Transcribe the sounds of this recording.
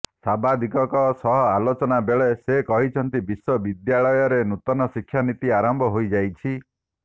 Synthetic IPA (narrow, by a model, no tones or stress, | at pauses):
sabʱad̪ʱikɔkɔsɔɦɔalot͡ʃɔnabeɭesekɔɦit͡ʃʰɔnt̪ibiswɔbid̪jaɭɔjɔɾenut̪ɔnɔsikʰːjanit̪iaɾɔmbʱɔɦojd͡ʒajt͡ʃʰi